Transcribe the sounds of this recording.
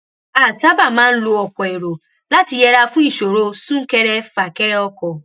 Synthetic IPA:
a˨sa˦ba˨mã˦n̩˦lu˦ɔ˨kʷɔ˨e˨ɾo˨ | la˦ti˨je˦ɾa˦fũ˦i˨ʃo˨ɾo˦su˦ŋ̩˦ke˦ɾe˦fa˨ke˦ɾe˦ɔ˦kɔ˨

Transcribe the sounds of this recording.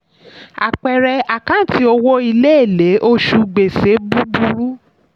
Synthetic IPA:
a̰˨k͡pɛ˨ɾɛ˧a˨kã˦tʰi˦o˧wo˦i˧le˦e˦˨le˨˦ʔo˦ʃu˧ɡ͡be˨se˨˦bu˦bu˧ɾu˦

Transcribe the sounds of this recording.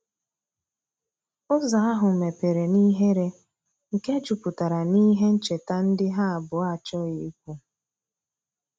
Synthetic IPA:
ʊ˦za˨a˦ɦʊ˨me˨pe˨ɾe˨ni˦ɦe˦ɾe˦ | ŋ̩˨ke˦d͡ʒu˨pʊ˨ta˨ɾa˨ni˦ɦe˦n̩˦t͡ʃe˨ta˦n̩˦dɪ˦ɦa˦a˨bʊ˨a˦˨t͡ʃɔ˦ɪ˦i˦k̚ʷu˦

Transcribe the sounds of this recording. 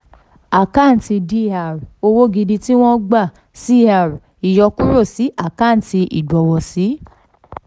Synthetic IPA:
a˦˨ka˦˨n̩˨˦ti˧di˦˨a˨ɾo˧wo˦ɡi˧di˧ti˦w̃ɔ̃˦ɡ͡ba˦˨ | si˦˨a˨ɾ | i˨jɔ˧ku˦ɾo˦˨si˨˦a˦˨ka˦˨n̩˨ti˧ʔi˨dɔ˨˧wɔ˨si˨˦

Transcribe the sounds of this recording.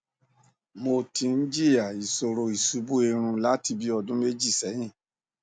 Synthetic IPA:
mo˧ti˧n̩˦d͡ʒi˦a˨i˨so˨ɾo˨i˨su˨˦bu˦e˧ɾ̃ũ˧la˨˦ti˧bi˦ɔ˧dũ˦me˦d͡ʒi˦˨sɛ˨˦j̃ĩ˦˨

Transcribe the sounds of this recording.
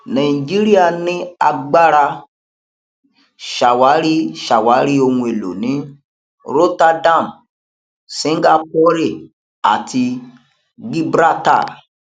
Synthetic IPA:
nã˨i˨d͡ʒi˦ɾi˦a˧nĩ˦a˧ɡ͡ba˦ɾa˧ | ʃa˨wa˨˦ɾi˦ʃa˨wa˨˦ɾi˦o˧hũ˧e˨lo̰˨nĩ˨˦ | ɾo˦ta˧dã˦˨m | sĩ˦ŋ˦ɡa˧pɔ˦ɾe˦˨ | a̰˨tʰi˧ | ɡ͡bi˦bɾa˦ta̰˦˨

